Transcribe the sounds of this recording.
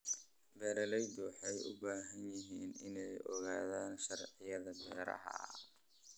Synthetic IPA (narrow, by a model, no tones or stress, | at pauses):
bɛːɾɐlɛjd̪uħɛjʔʊbaːɦɐnjɪɦiːnɪnɛjʔɔɣaːðaːnʃɐrʕɪjɐðɐbɛːɾɐ̰ɦɐ̰